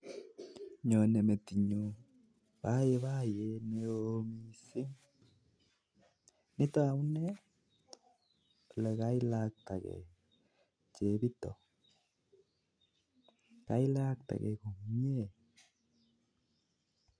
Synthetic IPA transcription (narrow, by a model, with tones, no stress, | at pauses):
ɲɔ˨ne˨me˨ti˨ɲo˨ | pa˦jɛ˨βa˦jene˨omi˨sɪ˦ŋ | nɪ˦tɔ˦a˨u˦nɛ˦˨ | lɛ˨ka˦i˦la˦k̚ta˨kɛ̰˨ | t͡ʃe˨bi˦tɔ˨ | ka˨˦i˦la˦k̚ta̰˨kɛ˨ko˨mi˦e˦˨